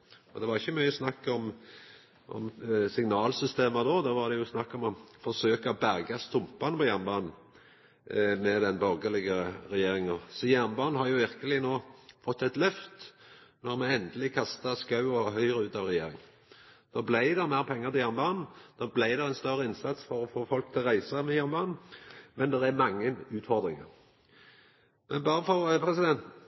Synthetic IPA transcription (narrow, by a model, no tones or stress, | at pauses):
ɔd̪ɛʋɑʁɪçːəmyʏjəsnɑkːɔm | ʔɔ̰msɪŋnɑːlsʏst̪eːməd̪oːd̪ɑʋɑʁd̪ɛjʊsnɑkːɔmɔfɔsøːkɑɔbæɾɡɑst̪ʊmpɑnəpɔjæʁnbɑːnn̩ | mɛd̪ɛnbɔɾɡəlɪɡəɾɛjeːɾɪŋsɔjæɾnbɑːnn̩hɑɾjʊʋɪɾkəlɪnoːfɔt̪ːɛt̪lœft̪nɔʁmɛɛnd̪əlɪkʰɑst̪əskɑʉɔɦœʏʁəʉːt̪ɑʋʁɛjeːɾɪŋ | d̪̥oːblæɪd̪ɛʁmæɪʁpʰɛŋːəʁt̪ɪjæʁnbɑːnn̩d̪̥oːblæɪd̪ɛʁæɪnst̪œɾəɪnsɑt̪sfɔɾɔfoːfɔlk̚t̪ʰɪlʁæɪsəmɛjæʁnbɑːnn̩mɛnd̪ɛʁæmɑŋːənʉːt̪fɔʁd̪ʁɪŋə̰ʁ | mʔɛnbɑːʁəfɔʁpʰʁɛsɪd̪ɛnt̪